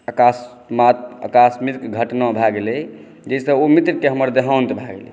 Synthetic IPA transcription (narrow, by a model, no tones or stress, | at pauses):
akas | mat̪̚ə̰kasmiɾkɡʱəʈnabʱaɡelɛ | d͡ʒɛsə̃omit̪ɾkeɦəməɾd̪eɦawnt̪bʱaɡelɛ̰